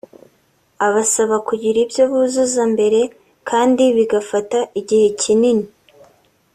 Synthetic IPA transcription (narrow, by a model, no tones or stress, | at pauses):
aβasaβakuɟiɾibjo̞βuzuzambe̞ɾe̞ | kʰaːndiβiɡafataʔiɟihe̞cinini